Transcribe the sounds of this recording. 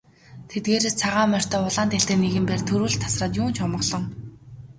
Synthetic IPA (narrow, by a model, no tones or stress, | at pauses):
t̪ʰet̪̚ɡeːɾest͡sʰaʁaːmœr̥ʲt̪œːʊɮaːnt̪eɬt̪eːneɣɘ̆mpæːrt̪ʰɵɾuːɮt̪ʰːḁsrăːt̪juːnt͡ɕʰɔmɞ̆χɮɞ̆ŋ